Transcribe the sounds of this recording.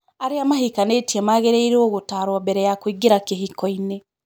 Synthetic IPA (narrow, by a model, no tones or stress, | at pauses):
aɾeamahikaneːtiamaɣeɾeiɾoːɣotaɾwabɛɾɛjakwiɡiɾakeɦikɔine